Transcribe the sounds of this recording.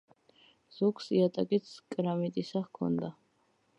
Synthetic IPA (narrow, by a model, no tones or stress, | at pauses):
z̥ukʰsiat̪ʼakʼit̪skʼɾamit̪ʼisaχkʰɔ̰nd̪a